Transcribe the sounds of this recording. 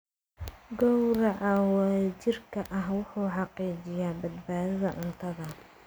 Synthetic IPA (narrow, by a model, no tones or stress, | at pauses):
ɡɔwɾɐʔawaːt͡ʃɪrkʰɐʔɐɦwʊħuːħɑqiːt͡ʃɪjaːbɐd̪baːðɐðɐʔʊnt̪ʰɐðɐ